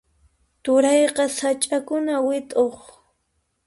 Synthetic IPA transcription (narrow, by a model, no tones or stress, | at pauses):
t̪ʊɾɑjqɑsat͡ʃʼakʊnawɪt̪ʼoχ